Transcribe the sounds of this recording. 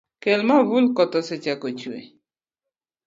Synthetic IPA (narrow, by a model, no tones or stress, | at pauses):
kɛlmavulkɔt̪ɔsɪt͡ʃakot͡ʃuḛ